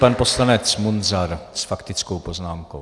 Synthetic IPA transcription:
panpo̞slanɛt͡smunzaɾsfakt̪ɪt͡skowpoznaːmkow

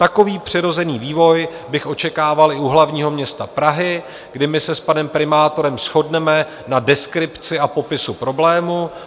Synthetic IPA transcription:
t̪ako̞viːpr̝̥ɪɾo̞zɛniːviːvo̞jbɪxʔo̞t͡ʃɛkaːvalɪuɦlavɲiːɦo̞mɲɛst̪apɾaɦɪ | ɡdɪmɪsɛspanɛmpɾɪmaːt̪o̞ɾɛmsxo̞dnɛmɛ | nadɛskɾɪpt͡sɪapo̞pɪsupɾo̞blɛːmu

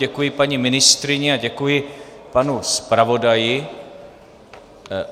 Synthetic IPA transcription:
ɛkujɪpaɲimɪnɪst̪ɾɪɲɛaɟɛkujɪ | panuspɾavo̞dajɪ

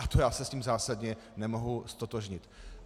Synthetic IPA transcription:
at̪ojaːsɛsciːmzaːsadɲɛ | nɛmo̞ɦust̪ot̪oʒɲɪt̪

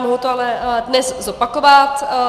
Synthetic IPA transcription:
moɦowt̪oalɛdnɛszopakovat̪

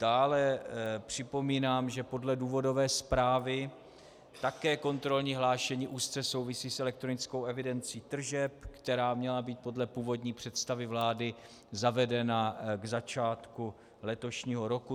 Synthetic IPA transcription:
d̥aːlɛpr̝̥ɪpo̞miːnaːmʒɛpo̞dlɛduːvo̞do̞vɛːspɾaːvɪ | t̪akɛːko̞nt̪ɾo̞lɲiːɦlaːʃɛɲiːʔuːst̪t͡sɛso̞wvɪsiːsʔɛlɛk̚t̪ɾo̞nɪt͡skowɛvɪdɛnt͡siːt̪r̩ʒɛpkt̪ɛɾaːmɲɛlabiːt̪̚po̞dlɛpuːvo̞dɲiːpr̝̥ɛt̪st̪avɪvlaːdɪ | zavɛdɛnaɡzat͡ʃaːt̪ku | lɛt̪o̞ʃɲiːɦo̞ɾo̞ku

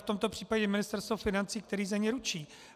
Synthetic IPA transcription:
ft̪o̞mt̪o̞pr̥iːpaɟɛmɪnɪst̪ɛɾst̪vofɪnant͡siːk̚t̪ɛɾiːzamɲɛɾut͡ʃiː

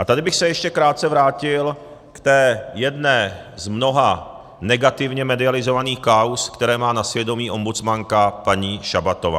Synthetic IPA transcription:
ʔat̪adɪbɪxsɛjɛʃcɛkɾaːt̪̚t͡sɛvɾaːcɪl | kt̪ɛːjɛdnɛː | zmno̞ɦa | nɛɡat̪ɪvɲɛmɛdɪalɪzo̞vaniːxkauskt̪ɛɾɛːmaːnasvjɛdo̞miːʔo̞mbut͡smaŋkapaɲiːʃabat̪ova̰ː

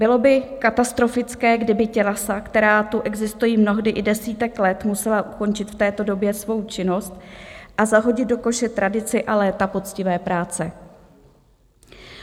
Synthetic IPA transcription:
bɪlo̞bɪkat̪ast̪ɾo̞fɪt͡skɛːɡdɪbɪcɛlasakt̪ɛɾaːt̪uʔɛɡzɪst̪ujiːmno̞ɦdɪʔɪdɛsiːt̪ɛklɛt̪musɛlaʔuko̞nt͡ʃɪt̪ft̪ɛːt̪o̞do̞bjɛsvo̞wt͡ʃɪno̞st̪ʔazaɦo̞ɟɪd̪̚do̞ko̞ʃɛt̪ɾʔadɪt͡sɪʔalɛːt̪apo̞t͡scɪvɛːpɾaːt͡sɛ

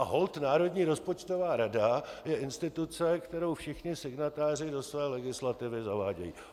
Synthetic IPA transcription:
aɦo̞lt̪naːɾo̞dɲiːɾo̞spot͡ʃt̪ovaːɾadajɛʔɪnst̪ɪt̪ut͡sɛkt̪ɛɾo̞wfʃɪxɲɪsɪɡnat̪aːr̝ɪdo̞svɛːlɛɡɪslat̪ɪvɪzavaːɟɛ̰jḭː

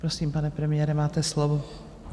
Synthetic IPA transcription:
pɾosiːmpanɛpɾɛmɪjɛɾɛmaːt̪ɛslovo

